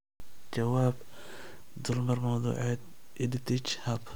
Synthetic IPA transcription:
t͡ʃɐwaːb | d̪ʊlmɐrmɐwðṵːʕɛd̪ | ʔɪdɪt̪ʰɪt͡ʃhɐb

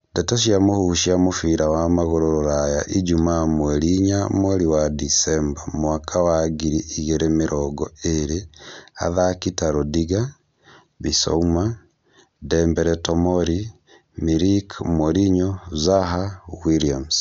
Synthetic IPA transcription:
dɛtaʃ̬iamohuʃiamofiɾawamaɣoɾooɾajaʔid͡ʒumamwɛɾiɲamwɛɾiwadisɛmbamoakʰawaɡiɾiʔiɣɛɾemeɾʔɔɡɔeɾea̰ðakitaɾodiɡa | βisɔ̰uma | dɛmbɛɾɛtɔmɔɾi | miɾikmoɾiɲɔzaɦawiɾiams

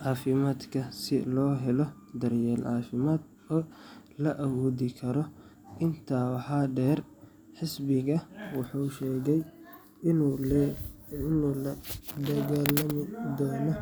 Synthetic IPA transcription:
ʕɑːfɪmaːd̪kʰɐsɪ̰lɔːɦɛlɔ | d̪ɐrjɛːlʕɑːfɪmaːd̪ | ɔːlɐʔɐwɔːðɪkʰɐɾɔ | ɪnt̪ʰaːwɑħɑːɖɛːr | ħɪsbɪɣɐwɑħuːʃɛːɣɛj | nuːlɐd̪ɐɣaːlɐmɪd̪ɔːnɔ

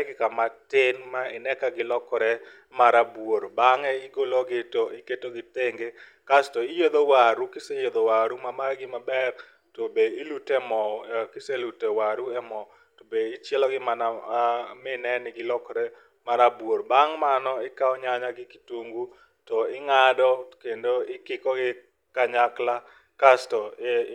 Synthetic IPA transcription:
ɛɡɪkamatɪnmaɪnɛkaɡɪlɔkɔɾɛ | maɾabwoɾbaŋɛɪɡoloɡɪtɔʔɪketoɡɪteŋɡe | kastɔɪjod̪owaɾukɪsejod̪owaɾumamarɡɪmabɛr | tobeɪlutɛmɔkɪselutɛwaɾuɛmɔ | tobeɪt͡ʃjɛlɔɡɪmanamɪnɛnɪɡɪlɔkɾɛ | maɾabworbaŋmanɔɪkaɔɲaɲaɡɪkɪ̥tuŋɡu | tɔɪŋadɔkendoɪkɪkɔɡɪ | kaɲakla | kastɔ

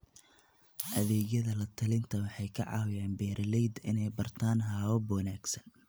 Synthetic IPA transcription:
ʔɐðɛːɣjɐðɐlɐt̪ʰɐlɪnt̪ʰɐwɑħɑjkʰɐʕɑ̰wjaːnbɛːɾɐlɛjd̪ɪnɛjbɐrt̪ʰaːnɦaːwɐbwɑnaːɡsɐn

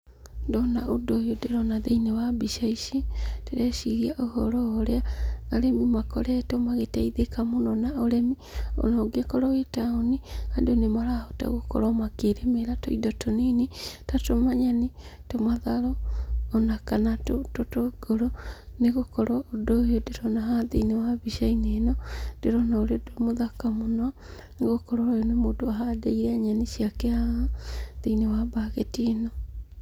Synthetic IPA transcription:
ndɔnaʔodojodeɾɔnaðeinewabiʃaiʃiteɾɛʃiɣiaʔohɔɾɔoɾeaaɾɛmimakɔɾɛtɔmaɣetaiðekamonɔnaoɾɛmi | ɔ̰nɔɡekɔɾɔwetaoniandonemaɾahɔta̰ɣokɔ̰ɾɔmakeɾemeɾatoiðɔtonenitatomaɲanitomaðaɾɔːnakanatototoɡoɾoneɣokɔɾɔːdoodeɾɔnaɦaðinewaβiʃainenɔd̥eɾɔnaoɾeodomoðakamona | neɣokɔɾɔɾjonemoːdoaɦadeiɾɛaɲanisjakɛa | ðinewabaɣetinɔ

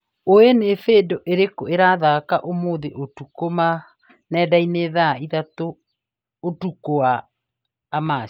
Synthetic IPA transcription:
oenefeːdɔʔeɾekoeɾaðakaʔomoːðeʔotukoma | nɛːdaineðaiðatoː | tukoaː | ma

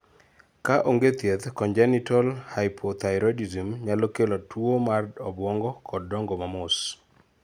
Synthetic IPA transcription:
kaʔoŋɡet̪jet̪kɔɲd͡ʒɛnitɔlhajpʰot̪ajɾɔdizimɲalokelɔtwomardɔbwɔŋɡɔkʰɔd̚ːɔŋɡomamʊs

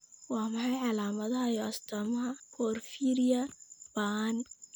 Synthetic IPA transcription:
wɑːmɐħɑjʕɑlaːmɐðɐɦɐjɔʔɐst̪ʰɔːmɐɦɐkʰɔːrfiːɾijɐban

